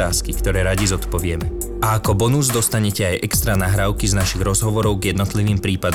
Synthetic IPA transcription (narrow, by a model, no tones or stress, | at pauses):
aːskikt̪ɔɾɛːɾaɟizɔt̪pɔʋɪɛmɛ | aakɔbɔnuzd̪ɔst̪aɲɛcɛajʔɛkst̪ɾanaɦɾaʊkiznaʃiɣɾɔzɦɔʋɔɾɔʊɡjɛd̪nɔt̪liʋiːmpɾiːpad̪